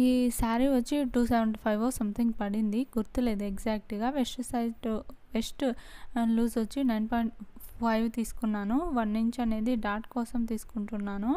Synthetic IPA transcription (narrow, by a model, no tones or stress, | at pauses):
iːsaːɾiʋɐt͡ʃːiʈuːseʋeɳʈpʰɐjʋoːsɐmt̪ʰiŋɡpɐɽind̪iɡuɾt̪ule̞ːd̪ueɡd͡ʒaːk̚ʈɡaːʋesʈsɐjʈʋesʈ | luːsʋɐt͡ʃːinɐjnpoːjɳʈpʰɐjʋt̪iːsu̥kunːaːnuʋɐnːiɲt͡ʃɐne̞ːd̪iɖaːɾʈkɔːsɐmt̪iːsu̥kuɳʈunːaːnu